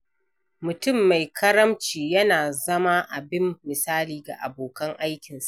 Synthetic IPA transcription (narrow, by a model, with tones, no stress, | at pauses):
mʊ˨tʊ˦˨mːa˨jkʰɐ˦ɾɐ˦mt͡ʃiː˨jɐ˦naː˨zɐ˦ma˦ʔa˨bɪ˦mːɪ˨saː˦liː˨ɡa̰˨ʔa̰˨boː˨kɐ˦ŋʔa˦jkʲɪ˨nsa˨ʔ